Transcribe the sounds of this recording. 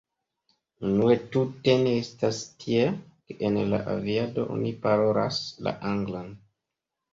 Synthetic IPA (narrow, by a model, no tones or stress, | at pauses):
nunue̞tute̞ne̞estastʰiekeʔenla̰ʔa̰viado̞̰ʔo̰nipaɾo̞ɾa̰sla̰ʔaŋɡlan